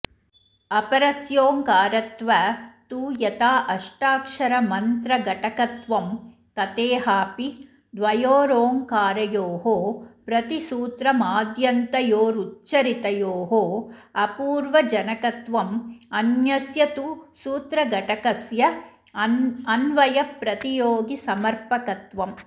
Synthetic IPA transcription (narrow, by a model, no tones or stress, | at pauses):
ɐpɐɾɐsjoːŋkaːɾɐt̪ʋɐt̪uːjɐt̪aːʔɐʂʈaːkʂɐɾɐmɐnt̪ɾɐɡɐʈɐkɐt̪ʋɐm | kɐt̪eːɦaːpi | d̪ʋɐjoːɾoːŋkaːɾɐjoːɦoːpɾɐt̪isuːt̪ɾɐmaːd̪jɐnt̪ɐjoːɾutːʃɐɾit̪ɐjoːɦoːɐpuːɾʋɐd͡ʒɐnɐkɐt̪ʋɐmɐnjɐsjɐt̪usuːt̪ɾɐɡɐʈɐkɐsjɐ | ɐnʋɐjɐpɾɐt̪ijoːɡisɐmɐɾpɐkɐt̪ʋɐm